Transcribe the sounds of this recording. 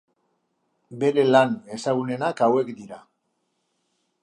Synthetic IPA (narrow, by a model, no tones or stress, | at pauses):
be̞ɾe̞lane̞saɣ̞une̞nakawe̞kd̪iɾa